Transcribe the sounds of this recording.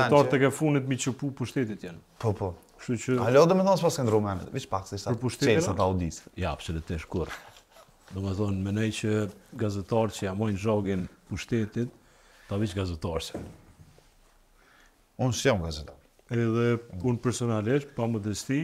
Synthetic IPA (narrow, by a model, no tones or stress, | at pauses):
ɛt̪aɾt̪ɛkɛfunit̪mit͡ʃəpupuʃt̪ɛt̪it̪janpɔpɔkʃt̪ut͡ʃəalɔd̪ɔmɛθɔnspaskɛnd̪ɾumɛnɛ̰vit͡ʃpak̪siʃpəɾpuʃt̪ɛiat̪aud̪isjaa̰bsɔlut̪ɛʃkuɾ | d̪ɔmɛθɔnmɛnɛjt͡ɕəɡazɛt̪aɾt͡ʃəamɔjnʒɔɡinpuʃt̪ɛt̪it̪̚ː | avit͡ʃɡazɛt̪aɾsɛ̥ | unsjɔmɡazɛt̪aɾ | ɛðɛunpɛɾsɔnaliʃt̪paməd̪əst̪i